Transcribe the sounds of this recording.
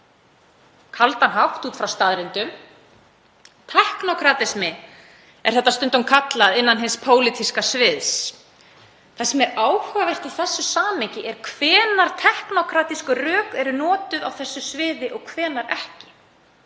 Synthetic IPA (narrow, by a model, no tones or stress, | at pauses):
kʰalt̪anɦawht̪uːt̪fɾawst̪aðɾɪnt̪ʏm | t̪ʰɛhknɔkʰɾat̪ɛsmɪ | ɛ̰̥θɛht̪ast̪ʏnt̪ʏmkʰat̪laðɪnːanɦɪnspʰoːwlɪt̪ʰiskasvɪðs | θasɛmɛɾaːwhʏavɛr̥t̪aθɛsːʏsaːmɪcɪʔɛɾ̥kʰv̥ɛːnaɾ̥t̪ʰɛhknɔkʰɾaːt̪iskʏrœːkɛɾʏnɔːt̪ʏðawθɛsːʏsvɪːðɪʔɔɣkʰvɛːnaɾɛhcɪ̥